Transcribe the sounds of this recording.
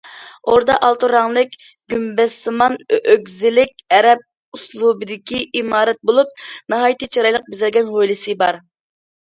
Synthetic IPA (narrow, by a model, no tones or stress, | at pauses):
oɾd̪ɑʔɑlˠt̪uɾɑŋlˠɨkʲ | ɡ̥ʲymbɛsɨmɑnøɡʲzɪlɪkʲɛɾɛp̚ | uslˠubɨd̪ɪkʲʰiʔimɑːɾɛt̪̚bolˠup̚nɑɦɑːjt̪ɨt͡ʃʰɑɾɑjlˠəq̚bɪzɪlɡʲɛnʁojlˠɨsɨbɑɾ